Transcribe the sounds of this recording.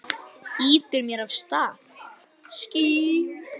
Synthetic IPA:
iːt̪ɪɾmjɛɾav̥st̪aːθ | sci

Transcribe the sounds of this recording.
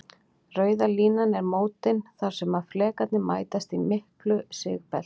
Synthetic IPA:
rœːɥðaliːnanɛɾmoːwt̪ɪnθaɾ̥sɛmaðflɛːkat̪nɪma̰ːjt̪ast̪imɪhklʏsɪ̰ɣpɛ̰lt̪

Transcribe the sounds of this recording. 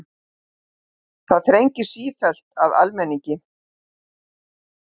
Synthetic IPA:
θaðθɾejɲcɪ̥siːfɛl̥t̪aða̰lmɛnːiɲcɪ

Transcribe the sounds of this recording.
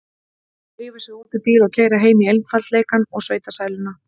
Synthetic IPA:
rɪːvasjɛɣuːt̪ɪt̪iːlɔɣcʰeːjɾaɦeːjmɪejlmfalt̪leːjkanɔɣsveːjt̪asaːjlʏna

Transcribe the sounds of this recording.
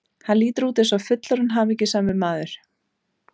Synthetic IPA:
hanliːt̪ɪɾuːt̪ɪsawfʏt̪laɾʏnɦaːmɛcɪsaːmɪmaːðʏɾ̥

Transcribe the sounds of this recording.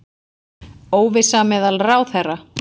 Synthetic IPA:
oːwvɪsamɛːðalraːwθɛrːa

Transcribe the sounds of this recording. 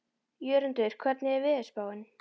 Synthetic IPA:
jœːɾʏnt̪œɾ̥kʰvɛɾt̪nɪɛɾvɪːðɛ̥spaːwɪn

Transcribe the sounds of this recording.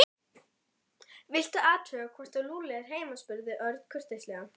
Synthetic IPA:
vɪl̥t̪aaːt̪ʰœɣakʰvɔr̥t̪aluːlɛɣaɾ̥ɦeːjmaspʏɾðɪʔœɾt̪n̥kʰœr̥t̪est̪lɛɣa

